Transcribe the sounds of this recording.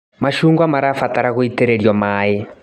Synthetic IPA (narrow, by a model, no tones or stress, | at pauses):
maʃuŋɡwamaɾafataɾaɣuitɛɾɛɾjɔmaɛ